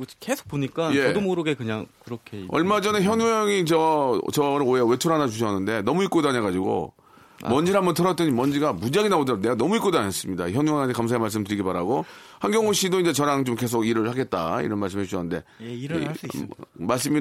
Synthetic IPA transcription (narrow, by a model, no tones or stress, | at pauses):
kesʰo̥k̚poɲik͈ae̞domoɾɯɡekɯɲaŋkɯɾʌkʰeʌ̰ɭmad͡ʑʌneçjʌnujʌŋit͡ɕʌt͡ɕʌɾɯɭoewe̞t͡ɕʰoɾanad͡ʑuɕʰʌnːɯnde̞nʌmuik͈odaɲaɡad͡ʑiɡo̰ | mʌnd͡ʑiɾambʌntʰʌɾʌt͈̚ʌɲimʌnd͡ʑiɡamud͡ʑaɡinaodneɡanʌmuik͈odoaɲas͈ɯmɲida̰içjʌnuaŋatʰekams̬ʰaemaɭs̬͈ɯmtɯɾiɡibaɾaɡohaŋɡjʌŋoɕ͈idoind͡ʑe̞t͡ɕʌɾaŋt͡ɕomke̞s̬ʰoɡiɾɯɭhaɡe̞t̚t͈a̰ḭɾʌnmaɭs͈ɯmeuɕʰʌnːɯnde̞̰ | maɭs̬͈ɯmi